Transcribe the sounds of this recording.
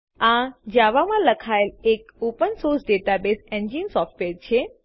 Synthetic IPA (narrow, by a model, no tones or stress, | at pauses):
ãd͡ʒaʋamãləkʰaelek̚opənsoɾsɖeʈabesẽɲd͡ʒinsɔfʈʋeɾt͡ʃʰe